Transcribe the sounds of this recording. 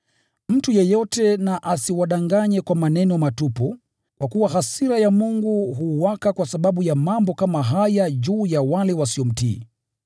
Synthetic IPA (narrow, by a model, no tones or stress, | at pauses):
m̩tujɛjɔtɛnaʔasiwaɗaŋɡaɲɛkwamanɛnɔmatupɔ | kwakuwaɦasiɾajamuŋɡuɦuwakakwasaɓaɓujamambɔkamaɦajaʄuːjawalɛwasiɔm̩tḭː